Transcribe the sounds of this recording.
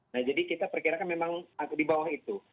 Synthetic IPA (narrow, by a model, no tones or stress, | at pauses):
nahd͡ʒadikit̪apərkiɾakanmemaŋadibawahit̪u